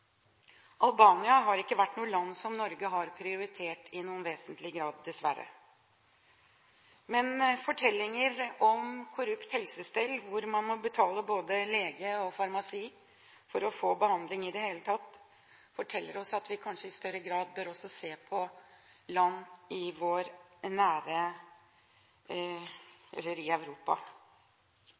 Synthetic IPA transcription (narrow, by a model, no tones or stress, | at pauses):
ʔɑlbɑːnɪɑɦɑɾɪkːəʋæʈːnuːəlɑnːsɔmnɔɾɡəɦɑɾpʰɾɪʊɾɪt̪ʰeːʈɪnuːənʋeːsənt̪lɪɡɾɑːd̪̚ːɛsʋæɾə̰ | mɛnfɔʈʰɛlːɪŋəɾɔmkʰʊɾʉpt̪hɛlsəst̪ɛlʋʊɾmɑnmɔbət̪ʰɑːləboːd̪əleːɡəɔfɑɾmɑsiː | fɔɾɔfoːbəhɑnd̪lɪŋɪd̪ɛheːlət̪ʰɑt̪ː | fɔʈʰɛlːəɾɔsɑt̪ʋɪkʰɑnʂəɪst̪œɾəɡɾɑːd̪̚bøːɾɔsːɔseːpʰɔlɑnːɪʋoːɾnæːɾə | ɛ̰lːəɾɪæʋɾuːpɑ̰